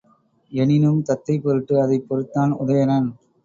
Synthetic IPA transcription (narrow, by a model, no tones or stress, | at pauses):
ɛnɪnɯmt̪ɐt̪ːɐɪpɔɾɯʈːɯɐðɐɪpːɔɾɯt̪ːaːnʊðɐjɐnɐn